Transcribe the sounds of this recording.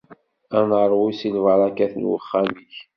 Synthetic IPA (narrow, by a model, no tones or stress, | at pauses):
ænəɾˤwisilvəɾˤækæθənwə̰χːamiç